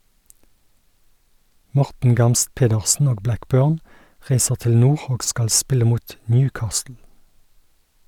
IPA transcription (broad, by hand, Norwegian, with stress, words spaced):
ˈmɔʁtn̩ ˈɡɑmst ˈpeːdəʁsn̩ ˈoːɡ ˈblækˌbøːʁn ˈʁæɪsəʁ ˈtɪl ˈnuːʁ ˈoːɡ ˈskɑl ˈspɪlə ˈmuːt ˈnjʉːˌkɑːstl̩